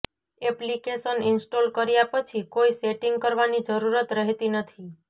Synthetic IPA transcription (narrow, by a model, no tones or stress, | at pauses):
ɛplikesənɪnsʈolkəɾjapət͡ʃʰikoiseʈiŋɡ̚kəɾʋanid͡ʒəɾuɾət̪ɾəɦet̪inət̪ʰi